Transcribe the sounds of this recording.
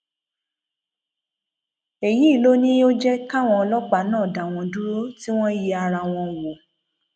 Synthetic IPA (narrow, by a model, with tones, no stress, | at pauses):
e˨ji˨˦˨lo˦nĩ˦o˦d͡ʒɛ˦ka˦˨w̃ɔ̃˧lɔ˦k͡pa˨˦nãː˦˨da˨w̃ɔ̃˧du˦ɾo˦ti˦w̃ɔ̃˦ji˧a˧ɾa˧w̃ɔ̃˧wo˨